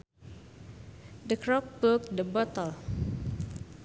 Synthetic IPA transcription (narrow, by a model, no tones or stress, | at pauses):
dəkɾɔp̚ːək̚dəbɔt̪əl